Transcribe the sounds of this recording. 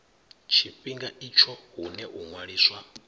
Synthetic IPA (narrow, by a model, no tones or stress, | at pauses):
t͡ʃʰiɸiŋɡait͡ʃʰɔɦunɛʔuŋwaɺiːswa